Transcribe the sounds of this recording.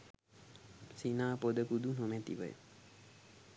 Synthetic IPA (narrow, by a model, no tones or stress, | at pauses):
sinaːpod̪əkud̪unɦomɛt̪iʋə̰j̰